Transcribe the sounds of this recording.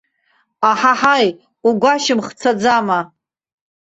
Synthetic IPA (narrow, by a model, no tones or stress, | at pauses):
aħaħaj | uɡʷaʃɪmχt͡sʰad͡zama